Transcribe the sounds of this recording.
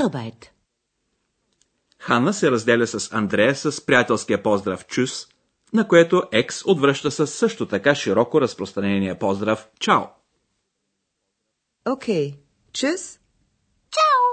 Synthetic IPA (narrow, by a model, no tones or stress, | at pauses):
bajt̪ | xanəsɛɾɐzd̪ɛlʲəsɐsɐnd̪ɾɛjəsəspɾijat̪ɛlˠskijəpɔzd̪ɾəft͡ʃus | nɐkoɛt̪oʔɛksod̪vɾəʃt̪əsəsːɤʃt̪ot̪ɐkaʃiɾɔkoɾɐspɾost̪ɾɐnɛnijəpɔzd̪ɾəft͡ʃaʊ | okʰej | t͡ʃʉs | t͡ʃaw